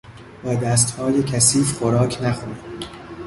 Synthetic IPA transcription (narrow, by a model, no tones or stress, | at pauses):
bɒːd̪æs̬t̪hɒːjecʰæsiːfxoɾɒːcʰnæxuːni